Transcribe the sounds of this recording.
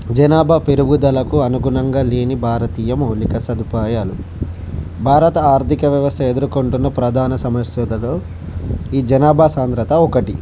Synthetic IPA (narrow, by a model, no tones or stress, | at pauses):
d͡ʒɐnaːbʱape̞ɾuɡud̪ɐlɐkuɐnuɡunɐŋɡaːleːnibʱaːɾɐt̪iːjɐmoːlikɐsɐd̪upaːjaːlu | bʱaːɾɐt̪ɐaːɾt̪ikɐʋjɐʋɐst̪ʰɐe̞d̪uɾukoɳʈunːɐpɾɐd̪ʱaːnɐsɐmɐʂjɐt̪ɐloː | iːd͡ʒɐnaːbʱasaːnd̪ɾɐt̪ɐɔkɐʈḭ